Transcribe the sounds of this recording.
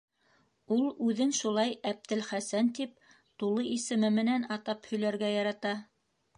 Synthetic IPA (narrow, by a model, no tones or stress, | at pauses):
ulˠʉðɘnʃulˠɑjæp̚t̪ɘlχæsænt̪ip̚ | t̪ulˠɤisɘ̆mɘmɘ̆nænɑt̪ɑphɵ̆jlæɾɡæjɑɾɑt̪ɑ